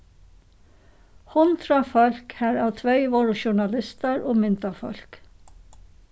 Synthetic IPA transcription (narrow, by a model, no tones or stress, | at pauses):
hɔnt̪ʰɾɑfɔlkhæːɹɑːʋt̪ʰʋœɪʋoːɹʊʃʊɳɑlɪst̪əɹʔoːmɪnt̪ɑfɔ̰lk